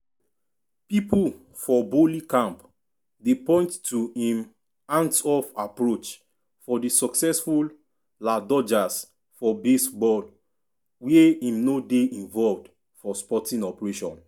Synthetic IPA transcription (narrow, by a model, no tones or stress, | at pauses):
pipul | fɔbolikãmp | depɔ̃ɪ̃nttuĩm | ãnsɔfapɹot͡ʃ | fɔdisɔksɛsful | ladɔd͡ʒas | fɔbesbɔd | weĩmnodeĩɱvɔlvd | fɔspɔtĩnɔpɹeʃɔ̰̃n